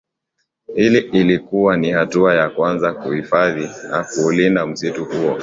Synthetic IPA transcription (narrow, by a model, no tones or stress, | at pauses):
hiliilikuwanihatuajakwanzakuhifaðinakuːlindam̩situhuɔ